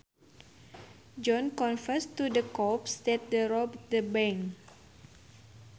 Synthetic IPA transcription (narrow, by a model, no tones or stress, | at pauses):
d͡ʒɔ̃nkɔ̃nfəst̪udəkɔpsdɛt̪̚dəɾɔb̚dəbɛ̃ŋ